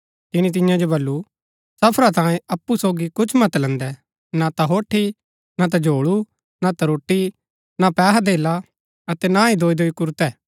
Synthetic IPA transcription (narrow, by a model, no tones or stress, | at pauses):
t̪ɪnit̪̬ɪ̃jãd͡ʒobɐlːu | sɐpʰɾat̪ãːẽɐpːusoːɡikʊt͡ʃʰmɐt̪lɛ̃nd̪ɛ | nat̪aɦoːʈʰːi | nat̪̬ad͡ʒʱoːɭu | nat̪ɐɾoːʈːi | napɛːɦad̪eːla | ɐt̪ɛnaid̪oːid̪oːikʊɾt̪ɛː